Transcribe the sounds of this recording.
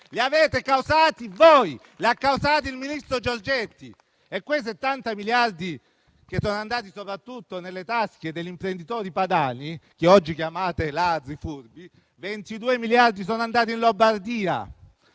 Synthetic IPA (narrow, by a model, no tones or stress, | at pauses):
liaveːt̪ekawzaːt̪ivoj | leakːawzaːt̪̬ilminist̪ɾod͡ʒord͡ʒet̪ːi | ekːwejset̪ːant̪amiljard̪i | kesːoːnoand̪aːt̪̬isopɾat̪ːut̪ːonelːet̪ask̟ed̪eʎːimpɾend̪it̪ɔːɾipad̪aːnik̟eɔd͡ʒːikjamaːt̪elad̪ɾifurbi | vent̪id̪uːemiljard̪is̬oːnoand̪aːt̪̬inlombard̪iːa̰